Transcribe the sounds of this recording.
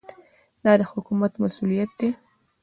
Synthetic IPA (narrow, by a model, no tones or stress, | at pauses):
d̪ɑd̪əhʊkumat̪masulijat̪̚d̪e